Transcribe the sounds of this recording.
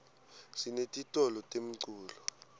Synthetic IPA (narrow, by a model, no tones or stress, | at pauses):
sinetʼitʼɔlɔtʼem̩ǀuːlɔ